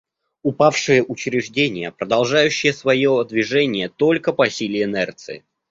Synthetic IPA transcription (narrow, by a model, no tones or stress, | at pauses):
ʊpafʂɨjəʔʊt͡ɕɾʲɪʐdʲenʲɪjəpɾəd̪ɐlˠʐajʉɕːɪjəsvɐjod̪vʲɪʐɛnʲɪjət̪o̞lʲkəpɐsʲilʲɪɪnɛrt̪sɨɪ̰